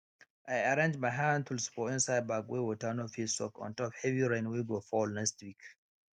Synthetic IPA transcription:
ʔajaɾẽnd͡ʒmajɦãndtʰulspɔĩnsajd̚baɡwewɔtanofisɔ̰kɔ̰̃ntɔphɛviɹẽnweɡofɔlnɛkstwik

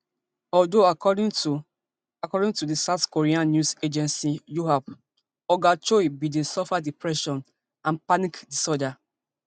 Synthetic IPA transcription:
ɔldoakɔdĩŋ | akɔdĩŋtudisaʊtkoɹiãnːjused͡ʒɛ̃nsijuɦap | ɔɡat͡ʃɔibidĩnsɔfadipɹɛʃɔ̃n | ãnpanikdisɔda

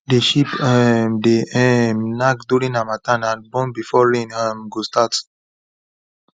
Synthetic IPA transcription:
deʃipɛmdeɛmnakduɹĩnãmatãnãnbɔ̃nbifɔɹĩnamɡustat

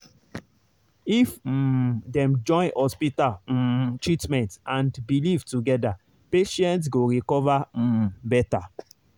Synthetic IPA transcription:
if̩ | dɛ̃md͡ʒɔ̃j̃nhɔspital̩tɹitmɛ̃ntãndbilivtuɡɛda | peʃɛ̃ntsɡoɹikɔvabɛta

